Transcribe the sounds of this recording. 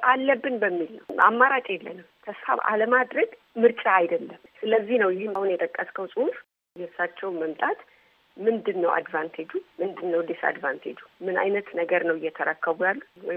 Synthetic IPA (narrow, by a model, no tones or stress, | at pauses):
ʔalːəbːɨnbəmːilnəwa̰mːaɾat͡ʃʼɛlːə̰nɨmt̪ʰəsfa̰βa̰ləmad̪ɾəɡ | mɨɾt͡ʃʼaajd̪əlːəmsɨləzːihnəwjɪhmahunjɛt̪ʼəkʼːəskʰəwsʼuhuf | jɛɨsːat͡ʃːɛwməmt̪ʼat̪ | mɨnd̪ɨnːəwʔa̰d̪vant̪ʰed͡ʒumɨnd̪ɨnːəwd̪esa̰d̪vant̪ʰed͡ʒumɨna̰jnət̪nəɡəɾnəwɪjːɛt̪ʰəɾəkʰːəβujalːuwɔ